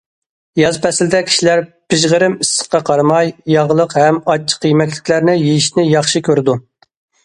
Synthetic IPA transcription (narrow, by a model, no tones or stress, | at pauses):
jɑzpʰɛsɪld̪ɛkʲʰi̥ʃilæɾpɪʒʁəɾɪmisːə̥χqːɑqʰɑɾmɑjjɑʁlˠəqhɛmɑt͡ʃʰːə̥qːijmɛk̬ʲlɪkʲlæɾnɪjijiʃnɪjɑχʃikʲʰøɾɪd̪u